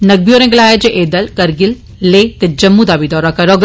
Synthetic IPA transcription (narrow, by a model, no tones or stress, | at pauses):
nɐɡ̚bijoːɾẽːɡlaːɦed͡ʒeʔeːd̪əlkɐɾɡɪlː | eːt̪ed͡ʒɐmːũd̪abʱid̪ɔːɾakɐɾoɡ